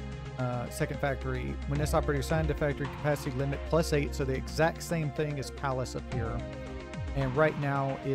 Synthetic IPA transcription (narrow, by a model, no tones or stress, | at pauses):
ʌsɛkɨ̃nd̥fæk̚tə˞iwə̃nðɨsɑpə˞ɛɾɹisãɪ̃ndɨfæk̚tə˞ikʰə̥pʰæsɨɾilɪ̃mɨt̚pʰl̥ʌseɪtsoʊðiɨɡzæk̚tsẽɪ̃mθɪ̃ŋɨz̥pʰælˠəsʌv̥pɪɹɨ̰ | ɨ̃nɹaɪtⁿnaʊʔɪ